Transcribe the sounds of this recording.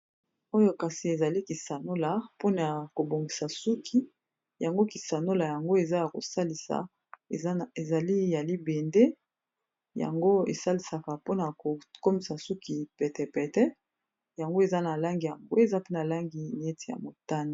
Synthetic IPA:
o˦jo˦ka˨si˨e˨za˨li˦ki˨sa˨no˦la˨po˦na˨ko˨bo˨ŋɡi˨sa˨su˦kʰi˦ | ja˨ŋɡo˦ki˨sa˨no˦la˨ja˨ŋɡo˦e˨za˦ja˨ko̰˨sa˦li˨sa̰˨˦ | e˨za˨li˦ja˨li˦be˨nde˦ | ja̰˨ŋɡo˦ḛ˨sa˦li˨sa˨ka˨po˦na˨ko˨ko˦mi˨sa˨su˦ki˨pɛ˨tɛ˨pɛ˨tɛ˦ | ja˨ŋɡo˦e˨za˦na˨la˦ŋɡi˨ja˨ŋɡo̰˦e˨za˦pe˦na˨la˦ŋɡi˨na˨e˦ti˦˨ja̰˨mo˨ta˦ni˨

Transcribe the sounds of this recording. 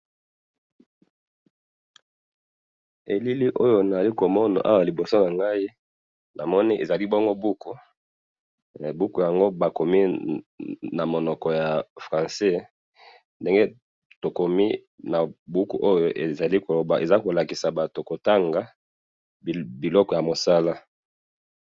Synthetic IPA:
e˨li˦li˦ʔo˦jo˨na˨a˨li˦ko˨mɔ˦na̰˨ʔa˦wa˨li˨bo˨so˦na˨ŋɡa˦i˦ | na˨mɔ˦ni˦ʔe˨za˨li˦bɔ˦ŋɡo˦bu˦ku˨ | bu˦ku˨ja˨ŋɡo˦ba˨ko˨mi˦ | na˨mo˨nɔ˨kɔ˨ja˨fʁã˨sɛ˦ | nde˦ŋɡe˦ | to˨ko˨mi˦ | na˨bu˦kṵ˨ʔo˦jo˨ʔe˨za˨li˦ko˨lo˨ba˨ʔe˨za˦ko˨la˨ki˨sa˨ba˨to˨ko˨ta˦ŋɡa˦˨ | bi˨lɔ˦kɔ˨ja˨mo˨sa˦la˦

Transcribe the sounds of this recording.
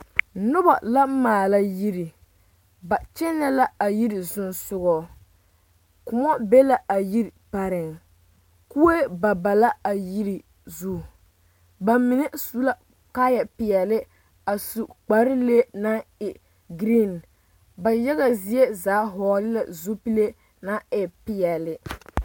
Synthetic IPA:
nʊ˦ba˨la˦m̩˦maː˨la˦ji˦ɾi˨ | ba˨t͡ʃɛ˦nːɛ˦la˦a˨ji˦ɾɪ˨zʊ˦nsʊ˦ɣɔː˦ | kʊ˨mɔ˦be˦la˨ʔa˨ji˦ɾpa˨ɾɪ˨ŋ | ku˦e˦ba˨ba˨la˦a˨ji˦ɾi˨ | zu˦ | ba˨mɪ˨ne˦su˦la˦ | ka˦ja˨pɪ˨jɛ˨lɪ˦ | a˨su˨k͡pa˨ɾɪ˦le˦na˦ɪ˨ | ɡɾi˦n | ba˨ja˦ɣa˨zɪ˦e˦zaː˨˦ɦɔː˨lɪ˦la˨zo˦pi˦le˦ | na˦ɪ˨pɪ˨ɛ˨lɪ˦

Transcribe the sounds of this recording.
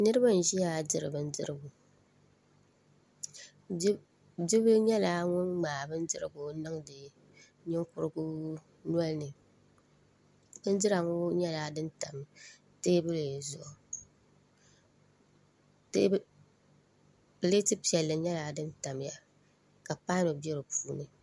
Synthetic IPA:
nɨ˦ɾɨ˦ba˦n̩˨ʒi˦ja˦dɨ˨ɾɨ˨bɨ˨n̩˦dɨ̰˦ɾɨ˦bʊ˨˦ | dɪ˦bɨ˦ɲɛ˦laː˦ŋʊ˦nŋ͡maː˨bɨ˦n˦dɨ˦ɾɨ̰˦˨ɡʊ˨nɨ˦ŋdɨ˨ | ɲɪ˦ŋkʊ˦ɾɨ˦ɡʊ˦ | nu˦ɔ˦lnɨ˨ | ɨ˦n˦dɨ˦ɾa˨ŋʊ˦ɲɛ˦laː˦dɨ˦nta˨m | teː˦bɨ˦le˨zʊ˦˨ɔ˨˦ | bɨ˨le˦tɨ˦pi˨ɛ˨lːɨ˨ɲɛ˦laː˨˦dɨ˦nta˨mja˨ | ka˨paː˦no˨bɛ˦ɾɨ˨puː˦nɨ˨

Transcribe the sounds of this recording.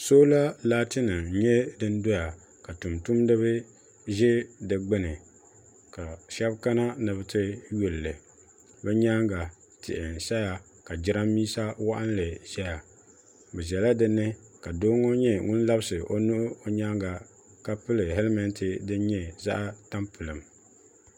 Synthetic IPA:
soː˦la˦laː˦tɨ˦nɨ˨ɲɛ˦dɨ˦n˦do˦ja˨ | ka˨tu˨mtu˦mdɨ˦βɨ˦ | ʒɛ˦dɨ˨ɡ͡bɨ˦nɨ˨ | ka˨ʃa˦bka˦na˦nɨ˨βɨ˦tɨ˦ju˨llɨ˨ | bɛ˦ɲa˦ŋɡa˨ | tɪ̰˨ʔɪ˨n˨ʃa˦ja˨ | ka˨d͡ʒɪ˦ɾa˦mmiː˦sa˦wa̰˦ʔa˦n˦lɨ˨ʒɛ˦ja˨ | bɛ˨ʒɛ˨la˦dɨ˦nːɨ˦ka˨doː˦ŋo˦ɲɛ˦ŋʊ˦nla˦bɨ˦sɨ˨ʔo˦nu˦ʔʊ˦o˦ɲa˦ŋɡa˨ | ka˦pɨ˦lɨ˨ɦɛ˦lmɛ˦ntɨ˨dɨ˦n˦ɲɛ˦za̰˦ʔa˦ta˦mpɨ˨lɨ˨m

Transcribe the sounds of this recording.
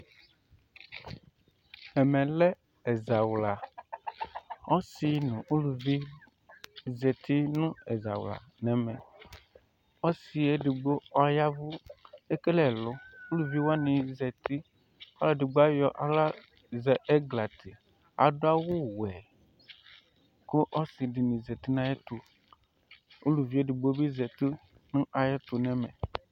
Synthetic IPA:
ɛ˨mɛ̃˨lɛ˦ | e˨za˨wla˨ | ɔ˦si˨nũ˨ʔu˦lu˨vi˦ | zɛ˨t̪i˦nũ˦e˨za̰˨wla̰˨nɛ̃˨mɛ̃˨ | ɔ˦si˨e˦ɖɪ˨ɡ͡bo˦ɔ˦ja˦vu˦e˦ke˦lɛ˨lʊ˦o˦lu˨vi˦wa˦nɪ̃˨zɛ˨t̪ɪ˦ | ɔ˦la˦dɪ˨ɡ͡ba˦jɔ˨ʔa˨la˦ | zɛ˨ʔɛ˦ɡla˨t̪ʰɪ˨ | a̰˨dʊ˦a˦wʊ˦wɛ˨ | kʊ˦ʔɔ˦sɪ˨dɪ˨nĩ˨zɛ˨t̪i˦nã˨jɛ˦t̪ʊ˨ | u˦lu˨vi˦e˦dɪ˨ɡ͡bo˦bi˦zɛ˨t̪ɪ˦ | nʊ̃˦ʔa˨jɛ˦t̪ʊ˨nɛ˨mɛ˨

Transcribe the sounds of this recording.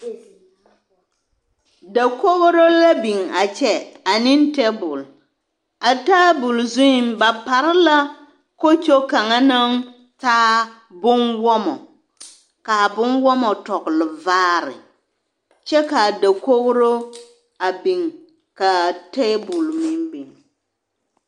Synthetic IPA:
da˨ko˦ɣɾo˦la˦bi˨ŋa˨t͡ʃɛ˦a˨nɪ˦ntɛ˦bʊ˨l | a˨ta˦bʊ˨lzu˦˨mba˨pa˨ɾɪ˦la˦ | ko˦t͡ʃo˦ka˨ŋa˦na˦ŋ | taː˦ | bʊ˦nwɔ˦mɔ˨ | ka˨bʊ˦nwɔ˦mɔ˨tɔ˨ɡlɪ˨vaː˦ɾɪ̰˨ | t͡ʃɛ˦ka˨da˨ko˦ɣɾo˦ | a˨bi˨ŋ | ka˨tɛ˦bʊ˨lmɪ˦mbi˨ŋ

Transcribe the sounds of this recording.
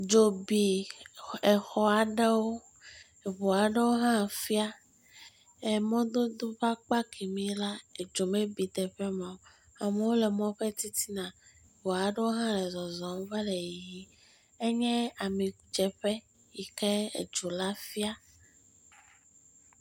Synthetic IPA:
d͡ʒo˨bi˨ | ɛ˨xɔ˨a˨ɖɛ˦wo˦ | e˨βo˨a˨ɖe˦wo˦ɦã˦˨fi˦a˦ | e˨mɔ̃˦d̪o˦d̪o˦ɸa˦k͡pa˦kʰi˨mĩ˦la˦e˨d͡ʒo˨mẽ˦bi˨t̪ɛ˨ɸɛ˦mã˨˦ | a˨me˨wo˦lɛ˨mɔ̃˦ɸe˦t̪i˦t̪i˦nã˨ | βo˨a˨ɖe˦o˦ɦã˦ɛ˨zɔ˨zɔ̃˨m˦va˦le˨ji˨ji˦ | e˦ɲɛ̃˦a˨mĩ˨d͡ʒɛ˨ɸɛ˦ | ji˨kɛ˦ḛ˨d͡ʒo˨la˦fi˦a˦

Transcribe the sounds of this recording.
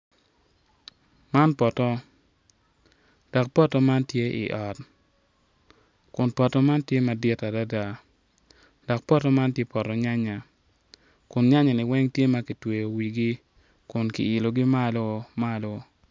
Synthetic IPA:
ma˦npɔ˨tɔ˦ | d̥ɔ˨k̚pɔ˦tɔ˦ma˦ntje˦ʔiɪ̰˨ʔɔ˨t | kʊ˨npɔ˨tɔ˦ma˦ntje˦ma˨dɪ˦ta˨da˦da˨ | d̥ɔ˨k̚pɔ˦tɔ˦ma˦ntje˦pɔ˨tɔ˨ɲa˦ɲa˨ | kʊ˨nɲa˦ɲa˨nɪ˨wɛ˦ŋtje˦ma˦ki˨twe˨jo˨wi˨ɡi˦ | kʊ˨nkḭ˨ɪ˨lo˨ɡi˦ma˦lo˦ma˦lo˦

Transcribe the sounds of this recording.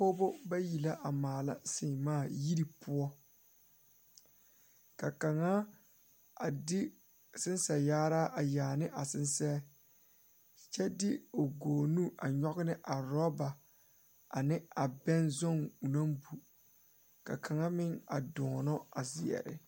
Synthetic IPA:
po˦bo˦ba˦ji˨la˦ʔa˨maː˨la̰˦sɪ˨ŋmaː˦˨ji˦ɾi˨pʰʊ˦ɔ˦ | ka˨ka˨ŋa˦ | a˨dɪ˦ | sɪ˦n˦sɛ˨jaː˦ɾa˦ʔa˨jaː˨nɪ˦ʔa˨sɪ˦nsɛ˦ | t͡ʃɛ˦dɪ˦o˨ɡoː˨nũ˦ʔa˨ɲɔ˦ɡɪ˦nɪ˦ʔa˨ɾɔ˦ba˨ | a˨nɪ˦a˨bɛ˦nzɔ˦˨ŋu˨na˦mbu˨ | ka̰˨kʰa˨ŋa˦mɪ˦ŋa̰˨dɔː˨nɔ˦a˨zɪ˨ɛ̰˨ɾɪ̰˨

